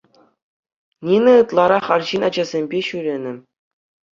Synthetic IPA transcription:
nʲinʲɘ̆ɯt̪lˠɑɾɑχɑrʑinɑd͡ʑɑzʲemʲbʲeɕyɾʲenʲɘ̆

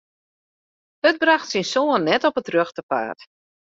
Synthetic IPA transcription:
ət̚braxtsinsoənːɛtɔpətrøxtəpa̰ːt

